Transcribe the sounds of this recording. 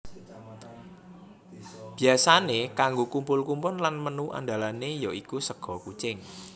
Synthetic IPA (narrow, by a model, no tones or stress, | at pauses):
b̥i̤asanekaŋɡokumpʊlkumpʊnlanmənuʔa̰nd̪a̤lanejɔikusəɡ̥ɔ̤kut͡ʃɪŋ